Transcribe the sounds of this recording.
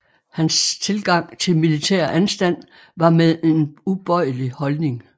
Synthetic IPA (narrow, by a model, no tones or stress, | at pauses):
hænst͡sʰe̝lɡ̥ɑ̈ŋ̰t͡sʰe̝lmilit͡sʰɛ̰ɐ̰ʔænsd̥æn̰ | ʋɑ̈meðˠe̝nub̥ɒɪ̰əlihɒ̽lne̝ŋ